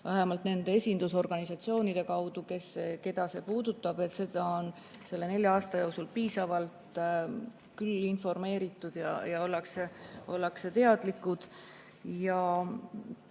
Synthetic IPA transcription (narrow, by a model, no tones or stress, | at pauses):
væɦemɑlt̪ne̞nd̪e̞esʲind̪̥uso̞rɡ̥ɑnisɑt̪sio̞ːnid̪̥e̞kɑwd̪̥uke̞seke̞d̪ɑse̞puːd̪̥ut̪ˑːɑb̥e̞t̪se̞d̪ɑon | se̞lːe̞ne̞lʲjɑɑːst̪ɑjowksulpiːsɑvɑlt̪ | kylːinfo̞rme̞ːɾit̪ːˑud̪̥jɑ̰jɑo̞lːɑkseo̞lːɑkset̪e̞ɑd̪̥likːud̪̥ | jɑ